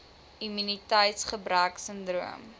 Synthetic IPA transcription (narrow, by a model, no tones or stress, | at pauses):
imynitəjtsχəbɾəːksəndruəm